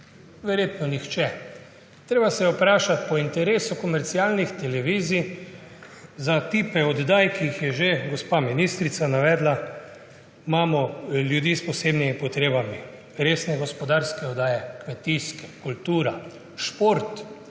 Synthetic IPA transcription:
ʋɛɾjeːt̪nɔnixt͡ʃɛ | t̪ɾeːbasɛjɛupɾaːʃat̪pɔint̪ɛɾeːsukɔmɛɾt̪sialnixt̪ɛlɛʋiːzi | zat̪iːpɛɔd̪d̪aːjkiixjɛʒeɡɔspaminist̪ɾit̪sanaʋɛːd̪la | maːmɔljud̪iːspɔseːbnimipɔt̪ɾeːbami | ɾeːsnɛɡɔspɔd̪aɾskɛɔd̪aːjɛkmɛt̪iskɛ̥kult̪uːɾa | ʃpoɾt̪

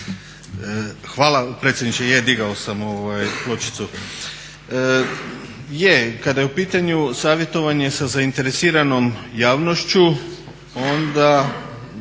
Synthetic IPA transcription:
xʋaːlˠapɾe̞t̪sʲjed̪nit͡ɕejed̪iɡaosamo̞ʋajplˠo̞t͡ʃi̥t̪su | jekad̪ajeupiːt̪aɲusaːʋje̞t̪o̞ʋaɲe̞sazaint̪e̞ɾesiːɾano̞mjaːʋno̞ʃt͡ɕu | o̞nd̪a

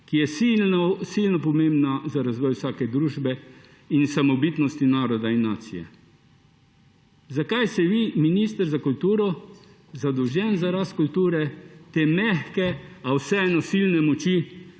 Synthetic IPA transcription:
kijɛsisilnɔpɔmẽmbnazaɾazʋɔːjwsaːkɛd̪ɾuːʒbɛ | insamɔbit̪nɔst̪inaːɾɔd̪ainːaːt̪sijɛ̰ | zakajst̪ɛʋiminiːst̪əɾzakult̪uːɾɔ | zad̪ɔwʒjɛnzaɾaskult̪uːɾɛt̪eːmɛxkɛawsɛɛːnɔsilnɛmɔt͡ʃi

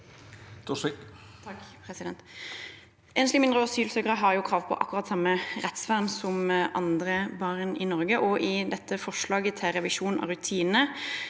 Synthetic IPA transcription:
d̪ɔ | pʰʁɛsɪd̪ɛnt̪ | ɛnslɪmɪnd̪ʁəɔsyːlsøɡəʁəɦɑʁjuːkʰʁɑːʋpʰɔ̰ʔɑkːʉʁɑt̪sɑmːəʁɛt̪sʋæʁnsɔmʔɑ̰nd̪ʁəbɑʁnɪnɔʁɡəʔɔʔɪd̪ɛt̪ːəfɔʂlɑːɡət̪ʰɪlʁɛʋɪʃuːnɑ̰ʁʉt̪ʰiːnə

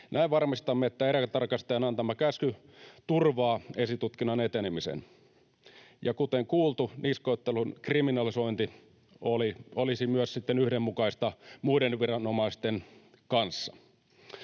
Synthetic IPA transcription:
nʔæiʋʋɑrmist̪ɑmːeet̪ːæeɾit̪ɑrkɑst̪eːnɑnt̪ɑmːɑkæsky | t̪urʋɑːesit̪ut̪kinːɑnet̪enemisḛn | jɑkut̪eŋkuːlt̪uniskoet̪ːelunkriminɑlisoint̪i | oliolisimyøssit̪ːenyhdemmukɑist̪ɑmuidenʋirɑnomɑist̪en | kɑnsːɑ

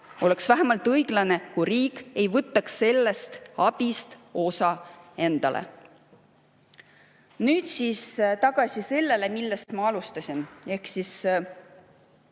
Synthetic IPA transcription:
o̞le̞ksvæɦæmɑlt̪ˑɤjɡ̥lɑne̞kujriːkːˑe̞jvɤt̪ːɑksːe̞lːe̞st̪ɑb̥ist̪o̞sɑe̞nd̪̥ɑ̰lʔḛ | nyːd̪̥siːst̪ɑɡ̥ɑsʲise̞lːe̞le̞milːe̞st̪mɑɑlust̪ɑsʲine̞hksis

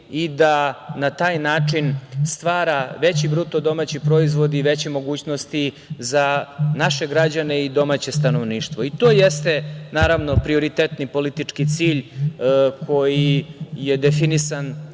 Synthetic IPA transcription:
id̪anat̪aːjnaːt͡ʂinst̪ʋaːɾaʋe̞t͡ɕibɾut̪od̪o̞maːt͡ɕipɾo̞izʋo̞d̪iːʋe̞t͡ɕemo̞ɡuːt͡ɕnost̪i | zanaʃe̞ɡɾad͡ʑaneid̪o̞maːt͡ɕe̞st̪ano̞ʋniːʂt̪ʋo̞it̪o̞ːjest̪e̞naːɾaʋno̞pɾio̞ɾit̪eːt̪nipo̞lit̪it͡ʂkit̪siːʎ | kʰo̞jije̞d̪efinisan

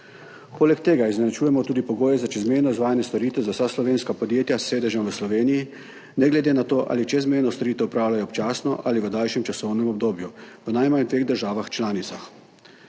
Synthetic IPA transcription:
poːlɛkt̪eːɡaiznɛnɛt͡ʃuːjɛmɔt̪uːd̪ipɔɡoːjɛzat͡ʃɛzmejnɔizʋaːjanjɛst̪oɾiːt̪ɛzawsaslɔʋeːnskapɔd̪jeːt̪jasːeːd̪ɛʒəmʋəslɔʋeːniji | nɛɡlɛd̪eːnat̪oːʔa̰ːlit͡ʃɛzmejnɔst̪ɔɾiːt̪ɛwupɾaːwlajɔpt͡ʃaːsnɔʔaliʋəd̪alʃjɛmt͡ʃasɔwnɛmɔb̚d̪oːbjuʋənajmand̪ʋeːɣd̪əɾʒaːʋaxt͡ʃlaːnit̪sax

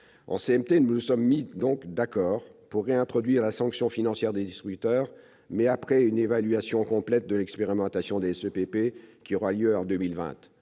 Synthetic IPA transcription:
ɑ̰̃seɛmt̪enunusɔmːid̪ɔ̃kd̪akɔːʁpuʁːeɛ̃t̪χɔd̪ɥiʁlasɑ̃ksjɔ̃finɑ̃sjɛʁd̪ed̪ist̪χyt̪œːʁ | mɛapχɛynevalɥasjɔ̃kɔ̃plɛt̪̚d̪əlɛkspeʁimɑ̃t̪asjɔ̃d̪eɛsøpepekʲiɔʁaljøɑ̃d̪ømilvɛ̰̃t̪

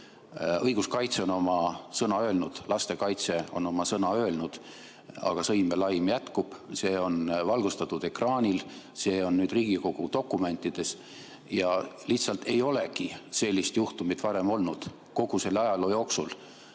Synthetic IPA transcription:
ɤjɡ̥uskɑjt̪se̞ono̞mɑsɤnɑø̞ːlnud̪̥lɑst̪e̞kɑjt̪se̞o̞̰no̞mɑsɤnɑø̞ːlnud̪̥ | ɑ̰ɡ̥ɑsɤjme̞lɑjmjæt̪kub̥se̞ːo̞nvɑlɡ̥ust̪ɑt̪ːˑud̪̥e̞krɑːnʲil | se̞ːo̞nːyːd̪riːɡ̥iko̞ɡ̥ut̪o̞kːˑume̞nt̪ːˑid̪̥e̞s | jɑliht̪sɑlt̪e̞jo̞le̞kise̞lʲːist̪juht̪umit̪vɑɾe̞mo̞lnud̪̥ | ko̞ɡ̥use̞lːɑjɑlojo̞ːksul

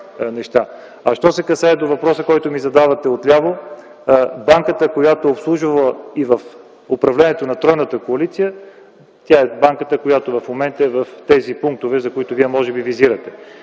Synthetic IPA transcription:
nɛʃt̪a | ɐʃt̪ɔsɛkɐsaɛd̪ovɐpɾɔsəkɔjt̪omizɐd̪avɐt̪ɛot̪lʲavo | baŋkət̪əkojat̪oopslˠuʒəvəivɐf | opɾɐvlɛnɛt̪onɐt̪ɾɔjnət̪əkoɐlit̪sijə | t̪ʲjaɛbaŋkət̪əkojat̪ovɐfmomɛnt̪əɛvɐft̪ɛzipuŋk̚t̪ovɛzɐkoit̪ʊviɛmɔʒɛbiviziɾət̪ɛ

